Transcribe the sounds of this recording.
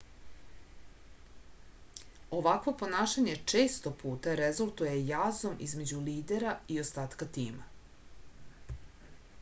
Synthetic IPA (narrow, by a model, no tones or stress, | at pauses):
o̞ʋakʋo̞po̞naːʃaɲe̞t͡ʂe̞ːst̪o̞pʰuːt̪aɾezulˠt̪uje̞jazo̞mʔḭzme̞d͡ʑuliːd̪e̞ɾaio̞st̪aːt̪kat̪iːma